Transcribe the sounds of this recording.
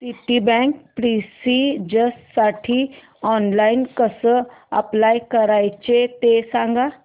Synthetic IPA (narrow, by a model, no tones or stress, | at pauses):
siʈibɛ̃kpɾisid͡ʑəssaʈʰiː | ɔnlainkəsəːə̰plajkəɾajt͡ɕet̪esãŋɡa